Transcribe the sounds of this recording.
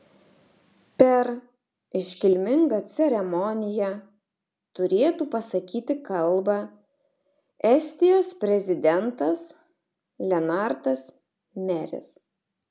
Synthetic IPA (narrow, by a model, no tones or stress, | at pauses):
pʲɛɾ | ɪʃʲkʲɪlʲmʲɪŋɡɐt̪sʲɛɾʲɛmɔnʲɪjɛ | t̪ʊɾʲeːt̪uːpɐsɐkʲiːt̪ʲɪkɐlˠbɑ | ɛsʲt̪ʲɪjoːspʲɾʲɛzʲɪd̪ʲɛnt̪ɐs | lʲɛnɑˑɾt̪ɐs | mʲɛɾʲɪ̰s